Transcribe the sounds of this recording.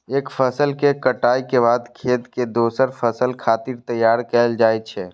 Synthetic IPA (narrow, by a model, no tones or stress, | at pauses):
eːkpʰəsəlkekəʈaːikebaːd̪kʰeːt̪ked̪oːsəɾpʰəsəlkʰaːt̪iɾt̪əjːaːɾkɛld͡ʒaːɛt͡ʃʰɛ